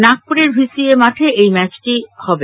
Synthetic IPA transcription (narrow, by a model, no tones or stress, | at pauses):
nak̚puɾeɾbʱisiemaʈʰeejmɛt͡ɕʈihɔbe